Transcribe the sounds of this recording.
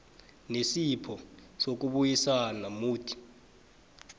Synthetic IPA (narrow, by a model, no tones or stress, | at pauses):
nesipʰɔsok̬uɓujisanamuːtʰi̥